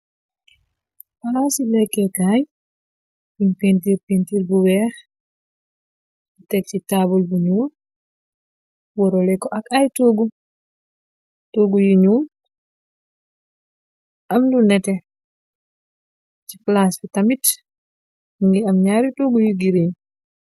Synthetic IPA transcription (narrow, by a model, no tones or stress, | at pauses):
falasilɛkːɛkaj | inpentiɾpentiːɾbuwɛːx | utɛk̚citabulbuɲuːl | wɔɾɔlɛkɔʔakajtoːɡu | toːɡujuɲuːl | ʔamlunɛtɛ | t͡ʃifalasbitamit | miŋɡiamɲaːɾitoːɡujuɡiɾiɲ